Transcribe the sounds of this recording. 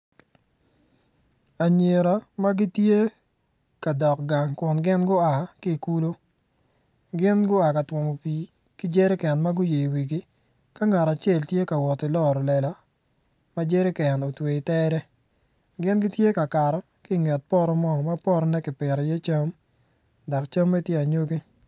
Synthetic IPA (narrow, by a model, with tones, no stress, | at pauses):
a˨ɲe˨ɾa˨ma˦ɡɪ˦tje˦ | ka˨dɔ˨kɡa˨ŋkʊ˨nɡɪ˦nɡʊ˦a˨kɪ˦˨ku˦lo˦ | ɡɪ˦nɡʊ˦a˨ka˨twɔ˨mo˨piː˨ | kɪ˦d͡ʒe˦ɾɪ˦kɛ˨nma˦ɡʊ˦je˨i˨wi˨ɡɪ˦ | ka˦ŋa˨ɾa˨t͡ʃe˦˨ltje˦ka˨wɔ˨tɪ˨lɔ˦˨ɾɔ˨lɛ˨la˨ | ma˦d͡ʒe˦ɾe˦kɛ˨no˨twe˨ɪ˨tɛ˦ɾɛ˦ | ɡɪ˦nɡɪ˦tje˦ka˨ka˨ɾɔ˨ | kɪ˦˨ŋɛ˨t̚pɔ˦ɾɔ˦mɔ˦ma˦pɔ˦ɾɔ˦nɛ˦kɪ˨pɪ˨ɾɔ˨je˦t͡ʃa˦m | dɔ˨kt͡ʃa˦mːe˦tje˦a˨ɲo˦ɡi˦